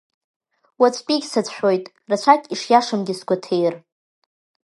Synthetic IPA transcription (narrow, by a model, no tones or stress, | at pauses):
wat͡sʷʼpʲʼiɡʲsat͡sʷʰʼħʷᶣo̞jtʼ | rat͡ɕʷʰakʲʼiʂjaʂamɡʲɪsɡʷatʰejr